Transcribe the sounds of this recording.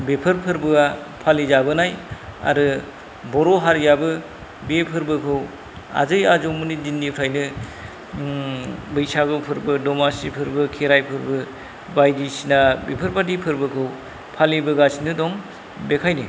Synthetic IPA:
bepʰɯɾpʰɯɾbɯa | pʰalid͡ʒabɯnaja̰ɾɯ | bɔɾɔɦaɾjabɯ | bepʰɯɾbɯkʰɯw | a̰zɯjazomɯnidindipʰɾajnɯ | bɯjsaɡɯpʰɯɾbɯdɔmasipʰɯɾbɯkʰeɾajpʰɯɾbɯ | bajdisinabepʰɯɾpadipʰɯɾbɯkʰɯw | pʰalibɯɡasinɯdɔŋ | bekʰajnɯ

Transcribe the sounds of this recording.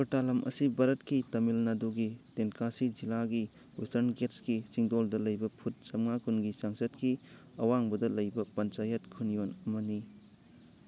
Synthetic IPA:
totalɐmʔɐ̰sibaɾɐtkitɐmilnɐduɡitenkʰasizilaɡi | wistɐɾnɡetsɡisiŋdoldɐlɐjbɐpʰut̚sɐmŋakʰunɡisaŋsɐt̚kiɐwaŋbɐdɐlɐjbɐpɐnt͡ʃajɐtkʰunijonɐmɐni

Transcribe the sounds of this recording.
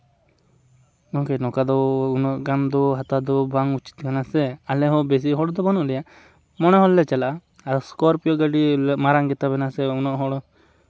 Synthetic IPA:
ɔkɛnɔkad̪ɔunɔʔɡand̪ɔɦat̪ad̪ɔbaŋut͡ʃi̥t̪̚kanasɛalɛɦɔ̃bes̬iɦɔɽɔd̪ɔbanɔʔlɛjaʔ | mɔnɛɦɔlːɛt͡ʃɛlaʔa | aɾɔskɔɾpijɔɡaɖilɛmaɾaŋɡɛt̪abɛnasɛunɔʔɦɔɽɔ

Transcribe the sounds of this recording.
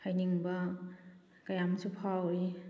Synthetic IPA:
hajniŋba | kajamsupʰawɾi

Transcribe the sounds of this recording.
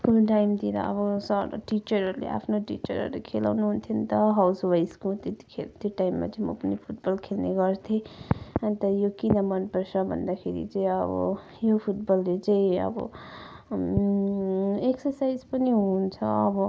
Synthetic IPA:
skulʈajmt̪iɾʌ̰ʌ̰bʌsʌɾʈit͡ʃʌɾʌɾlḛʔa̰pʰnoʈḭt͡ʃʌɾɦʌ̰ɾlekʰela̰wnuɦunt̪ʰjʌnt̪ʌɦawswajskot̪et̪i̥kʰelt̪ʰjoʈaimːa̰t͡saĩmʌ̰pʌnipʰuʈ̚bʌlkʰelneɡʌɾt̪ʰent̪ʌjokinʌmʌnpʌɾt͡sʰʌbʱʌ̰nd̪akʰeɾḭt͡saĩʌbʌ̰ | jopʰuʈ̚bʌlːet͡saĩʌ̰bʌ̰ | eksʌɾsajzpʌniɦunt͡sʰʌːbʌ

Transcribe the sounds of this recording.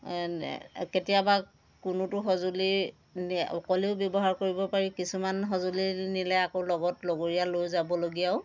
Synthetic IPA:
ketijaba | kʊnʊtʊxɔzuli | nɔ̰kɔliʊbjɔbɔɦaɹkoɹibɔpaɹikisumanɦɔzulinilɛakolɔɡɔtloɡoɹijalojzabɔloɡijaʊ

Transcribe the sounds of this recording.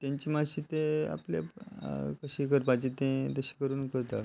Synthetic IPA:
t̪jãɲt͡ɕimaɕiːt̪ea̰ple | kəɕiːkəɾpat͡ɕit̪ẽt̪əɕi̥kəɾuːnkəɾt̪at̪

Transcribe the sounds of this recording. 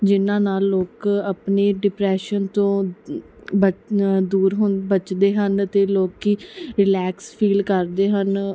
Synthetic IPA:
d͡ʒɪnãːnaːlːoːkəpneːɖɪpɾɛːʃənt̪õː | bəd̪uːɾɦʊ̃nbət͡ʃd̪eːɦənt̪eːloːkiːɾɪlɛːkspʰiːlkəɾd̪eːɦən

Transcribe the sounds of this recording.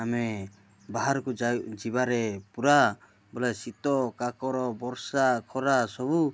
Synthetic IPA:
amɛ | baɦaɾkud͡ʒibaɾɛpuɾa | bɔlasit̪ɔkakɔɾɔbɔɾsakʰɔɾasɔbu

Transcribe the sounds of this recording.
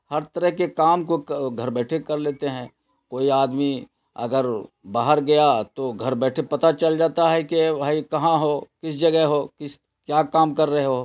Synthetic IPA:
hɐɾt̪əɾəɦkekaːmkokɡʱɐɾbɛːʈʰekɐɾleːt̪eɦɛ̃ː | koːiaːd̪mi | ɐ̰ɡəɾ | baːɦəɾɡɐjat̪oɡʱɐɾbɛːʈʰepɐt̪at͡ʃɐld͡ʒaːt̪aɦɛkebʱaːikɐɦãɦoːkɪsd͡ʒɐɡɛɦɦoːkɪs | kjaːkaːmkɐɾːɐɦeɦo

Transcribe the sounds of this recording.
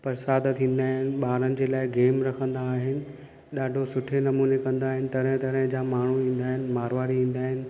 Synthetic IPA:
pɐɾsaːd̪t̪ʰĩːn̆d̪aːɦɪnɪ̆ɓaːɾənɪ̆d͡ʑeːlaːɪɡeːmɾɐkʰə̃nd̪aːɦɪnɪ̆ | ɗaːɖʱosʊʈʰenɐmuːnekɐ̃nd̪aːɦɪnɪ̆t̪ɐɾə̃ɦt̪ɐɾə̃ɦɪ̃d͡ʑaːmaːɳ̤uĩːn̆d̪aːɦɪnɪ̆maːɾʋaːɾiʋĩːn̆d̪aːɦɪnɪ̆

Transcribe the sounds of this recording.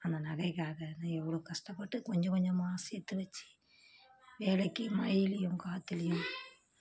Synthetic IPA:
ɐnd̪ɐnɐɣɐɪkːaːɣɐnɐɛʋːɐɭoːkɐʂʈɐpːɐʈːɯkɔɲd͡ʒɐ̃kɔɲd͡ʒɔ̃maːsɐɛt̪ːɯʋɐt͡ʃːi̥ | ʋeːlɐkːɯmɐjɪlɪjʊ̃kaːt̪ːɪlɪjʊ̃

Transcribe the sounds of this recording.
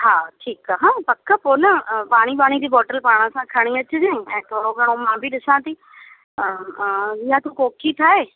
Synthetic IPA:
ɦãːʈʰiːkaɦãːpəkːəpoːnəpaːɽ̃iːpaːɽ̃iːd̪iːbɔːʈəlpaːɽ̃ãːsãːkʰaːɽ̃iːãːt͡ʃːd͡ʒẽːɛ̃ːt̪oːɾõːɡəɽ̃õːmãːbiːd̪ɪsãːt̪iː | ʋiːãːt̪ũːkoːkʰiːt̪ʰaːeː

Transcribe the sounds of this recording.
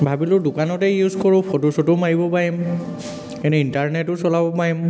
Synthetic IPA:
bʱabilʊdʊkanɔtɛjuzkɔɹʊ̃pʰotosɔtʊmaɹibɔpaɹim | kɛnuintaɹnɛtʊsɔlabɔpaɹim

